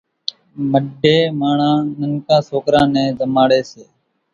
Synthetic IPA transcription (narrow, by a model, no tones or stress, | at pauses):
məɖʱeːmaːɳãːnəŋkãːsoːkɾãːnẽːzəmaːɽeːseː